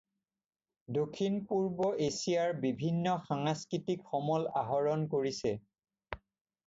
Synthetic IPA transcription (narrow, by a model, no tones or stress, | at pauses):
dokʰːinpuɹbɔʔesijaɹbibʱinːɔxaŋaskɹitikxɔmɔla̰ɦɔɹɔnkoɹisɛ